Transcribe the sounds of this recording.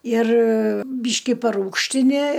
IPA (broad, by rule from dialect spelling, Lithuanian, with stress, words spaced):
ɪr ˈbʲiːʃʲkʲɪ pɐˈruːkʃʲtʲɪnʲɪ